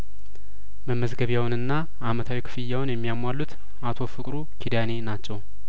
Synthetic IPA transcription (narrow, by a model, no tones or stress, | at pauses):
məmːəzɡəβjawnɨnːa | ʔamət̪ʰawikʰɨ̥fɨjːawnjɛmːijamwalːut̪ | ʔat̪ʰo̞fɨkʼɾukʰid̪ane̞nat͡ʃːɛw